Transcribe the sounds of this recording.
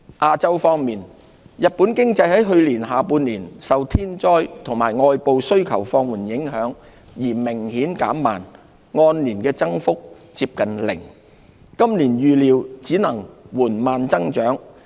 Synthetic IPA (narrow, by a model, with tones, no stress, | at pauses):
ʔaː˧t͡sɐ˥wfɔː˧ŋmiː˨˩n | jɐ˨t̚puː˨˥nkɪ˥ŋt͡sɐ˧jɦɐ˨˥jɦɵ˧ɥliː˨˩nɦaː˨puː˧nliː˨˩nsɐ˨wt̪ʰiː˥nt͡ʃɔː˥jt̪ʰʊ˨˩ŋmaː˨˩jŋɔː˧jpo˨˧wsɵ˥ɥkʰɐ˨˩wfɔː˧ŋwuː˨˩njɪ˨˥ŋɦœː˨˥ŋ | jiː˨˩mɪ˨˩ŋhiː˨˥nka̰ː˨˥mːaː˨n | ŋɔː˧nliː˨˩nkɛː˧t͡sɐ˥ŋfʊ˥k̚ | t͡siː˧p̚kɐ˨nlɪ̰˨˩ŋ | kɐ˥mliː˨˩njyː˧liː˨˧wt͡siː˨˥nɐ˨˩ŋwuː˨˩nmaː˨nt͡sɐ˥ŋt͡ʃœː˨˥ŋ